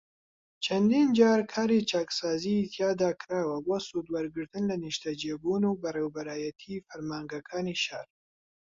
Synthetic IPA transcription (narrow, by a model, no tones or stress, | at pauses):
t͡ʃʰɐnd̪iːnd͡ʒaːɾkʰaːɾit͡ʃaksaːzit̪ʰjaːd̪aːkɾaːwɐboːsud̪wɐɾɡɨɾt̪ɨnlɐniʃt̪ɐd͡ʒeːbunuːbɐrewbɐɾaːjɐt̪ʰifɐɾmaːŋɡɐkʰaːniʃaɾ